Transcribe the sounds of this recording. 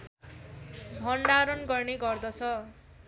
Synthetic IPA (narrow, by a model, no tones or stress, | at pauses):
bʱʌɳɖaɾʌnɡʌrneɡʌrd̪ʌt͡sʰʌ